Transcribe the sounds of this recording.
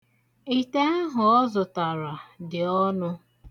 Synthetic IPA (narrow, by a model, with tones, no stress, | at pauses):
i˦te˦a˦ɦʊ˨ɔ˦zʊ˨ta˨ɾa˨dɪ˨ɔ˦nʊ˦